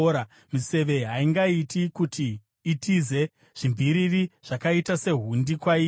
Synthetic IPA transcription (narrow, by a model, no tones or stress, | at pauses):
ɾa | mise̞ʋe̞ɦaiŋɡaitikutʰiː | tize̞ | ʐ̥imbʱiɾiriʐ̥akaitase̞ɦundikwai